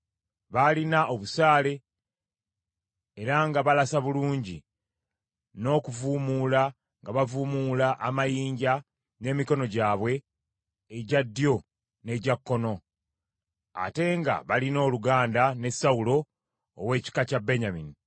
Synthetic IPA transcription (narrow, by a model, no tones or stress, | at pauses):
βalinaʔo̞βusaːle̞ | ɾaŋɡaβalasaβuluːɲɟi | no̞ːkuvuːmula | ŋɡaβavuːmulaʔːmajiːɲɟa | ne̞ːmiko̞no̞ɟaːβwe̞ː | ɟadːjo̞ | ne̞ɟakːo̞no̞ | a̰te̞ŋɡa̰βalino̞ːluɡaːndane̞saulo̞ː | we̞ːci̥kacabeɲamini